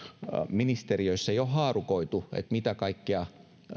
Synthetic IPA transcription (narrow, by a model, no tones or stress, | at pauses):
minist̪eriøisːæejohɑːrukoit̪uḛt̪mit̪ækɑikːeɑ